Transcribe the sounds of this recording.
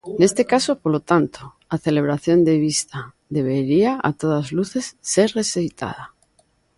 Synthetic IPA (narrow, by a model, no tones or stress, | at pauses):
ne̞st̪e̞kaso̞poɾlo̞t̪ant̪o | aθe̞le̞β̞ɾaθjo̞nd̪eβist̪a | ðe̞β̞e̞ɾiaa̰t̪o̞ð̞azluθe̞sːe̞ɾre̞sejt̪ʰa̰ð̞a